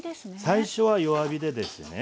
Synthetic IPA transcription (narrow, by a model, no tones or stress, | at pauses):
saiɕo̞βajo̞βabʲid̪e̞d̪e̞sɨne